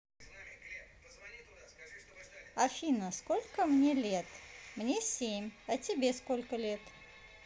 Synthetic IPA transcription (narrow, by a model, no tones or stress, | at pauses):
ɐfʲinəskolʲkəmnʲelʲet̪mnʲesʲemʲɐtʲɪbʲeskolʲkəlʲet̪